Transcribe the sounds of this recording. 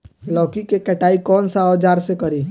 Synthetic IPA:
lɔːkikekɛʈaːikɔːnsaɔːd͡ʒaːɾsekɐɾiː

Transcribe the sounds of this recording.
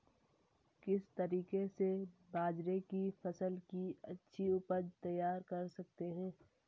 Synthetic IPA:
kɪst̪ɐɾiːkesebʱaːd͡ʒɾekifɐsəlkiɐtːʃʰiupət̪ɐjːaːɾkɐɾsɐk̚t̪eɦɛ̃ː

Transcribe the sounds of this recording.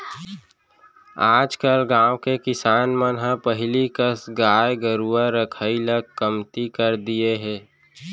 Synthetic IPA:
aːd͡ʒkəlɡãːõkekɪsaːnmənɦãpəɦlikəsɡaːjɡəɾuaɾəkʰailəɡ̚kəmt̪ikəɾd̪ieɦɛ̃ː

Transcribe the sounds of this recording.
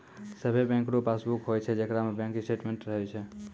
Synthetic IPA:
səbʱebɛ̃ŋkɾopasbukɦojt͡ʃʰɛd͡ʒekɾamebjɛ̃ŋkisʈeʈmeɳʈɾəɦɛt͡ʃʰɛ

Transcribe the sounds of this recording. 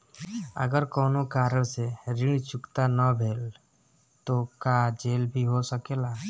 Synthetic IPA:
ə̰ɡəɾkoːnokaːɾəɽseɾɪɳ̃t͡ʃʊkt̪anəbʱeːl | t̪okaːd͡ʒeːlbʱiɦosəkeːlaː

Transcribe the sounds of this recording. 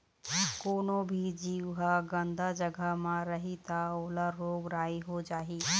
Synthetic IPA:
koːnõbʱid͡ʒiːʋɦaɡə̃nd̪ʱad͡ʒəɡʱəɦmãɾəɦit̪aoːlaɾːoːɡɾaːiɦod͡ʒaːɦiː

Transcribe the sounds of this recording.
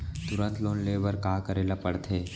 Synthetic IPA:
t̪ʊɾə̃nt̪loːnleːʋəɾkaːkəɾeːlapɐɽt̪ʰeː

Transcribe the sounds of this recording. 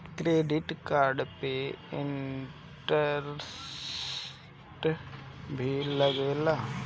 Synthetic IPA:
kɾeːɖɪʈkaːɾɖpeɪɳ | ʈəɾss | ʈ | bʱiləɡeːlaː

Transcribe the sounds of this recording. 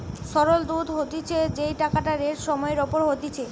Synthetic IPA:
ʃɔɾold̪ud̪ʱɦot̪it͡ɕʰed͡ʑejʈakaʈaɾeʈʃɔmɔeɾɔpoɾɦot̪it͡ɕʰe

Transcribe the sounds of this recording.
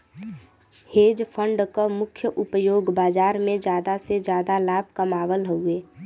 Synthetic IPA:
heːd͡ʒpʰəɳɖkomʊkʰjəʔʊpjoːɡbaːd͡ʒaːɾmẽd͡ʒjaːd̪ased͡ʒjaːd̪alaːb̚ʱkəmaːʋəlɦəueː

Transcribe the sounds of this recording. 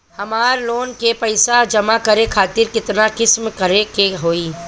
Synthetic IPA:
hɐmaːɾloːnkepɐɪsad͡ʒɐmakəɾekʰaːt̪ɪɾkɪt̪nakɪsmkəɾekeɦoːiː

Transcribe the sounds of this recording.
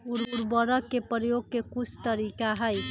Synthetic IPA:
uɾuɾbəɾəkːepɾəjoɡ̚kekut͡ʃʰt̪əɾikaɦəj

